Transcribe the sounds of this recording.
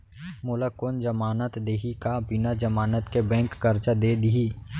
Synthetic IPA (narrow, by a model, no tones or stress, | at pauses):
mʊləkond͡ʒəmaːnət̪d̪eːɦikabɪnad͡ʒəmaːnət̪kebɛ̃ːŋkːɐɾt͡ʃad̪eːd̪iɦiː